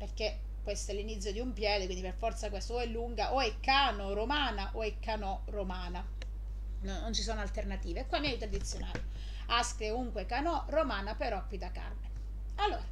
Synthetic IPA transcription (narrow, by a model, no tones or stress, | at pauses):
perk̟e | kːwest̪oɛlːinit̪sjod̪iumpjɛːd̪ekwind̪iperfɔrt̪sakwest̪oɛlːuŋɡaʔoɛkːaːnoɾomaːnaʔoɛkːanɔ | romaːna | nonːont͡ʃisoːnoalt̪ernat̪iːvekʷːwalːmiajut̪t̪ɾad̪it̪sːjonaːle | askɾeuŋkwekanɔromaːnapeɾɔpːit̪aka̰rme | alːo̰ːɾa